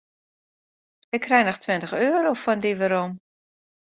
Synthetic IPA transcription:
ɪkʰːrɛjnɔχtʋɪntəxøːɾofɔndiʋəɾom

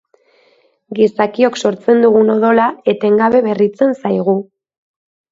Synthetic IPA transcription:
ɡisakio̞kso̞ɾt͡se̞nd̪uɣ̞uno̞ðo̞lae̞t̪e̞ŋɡaβe̞βe̞rit͡se̞nsajɣ̞u

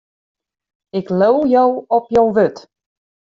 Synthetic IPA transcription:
ɪklowjowɔpjowʋøt

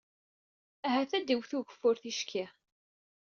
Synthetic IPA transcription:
æɦæθæd̪iwθʊʝəfːʊɾθiʃkʰɪ

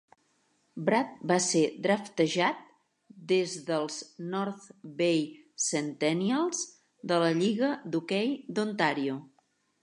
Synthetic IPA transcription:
bɾat̪̚based̪ɾəft̪əʒat̪̚ | d̪ezðəlˠznɔɾθbej | sənt̪ɛniəlˠz | d̪ələʎiɣəd̪ukɛjd̪unt̪aɾiu

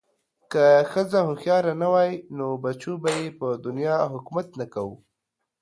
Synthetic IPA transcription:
kaxəzahʊmxjɑɾanawɑjnobat͡ʃubajepəd̪ʊnjɑɦʊkumat̪nakawṵ

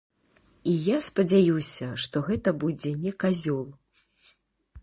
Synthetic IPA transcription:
ijaspɐd͡zʲajusʲɐʂt̪ɔɣɛt̪ɐbud͡zʲɛnʲɛkazʲɔlˠ

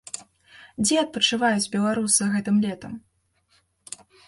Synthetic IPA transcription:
d͡zʲɛɐt̪̚pɐt͡ʂɨvajud͡zʲbʲɛlˠaɾusɨɣɛt̪ɨmlʲɛt̪ɐm

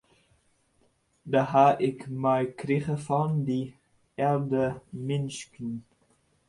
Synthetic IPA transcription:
daɦaʔɪkmɛjkriχəfɑndi | ɛldəmɪnskn

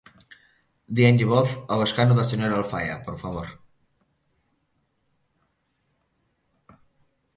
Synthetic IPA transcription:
d̪ienʎiβoθoβeskanuðaseɲoɾaalfaja̰poɾfaβoɾ

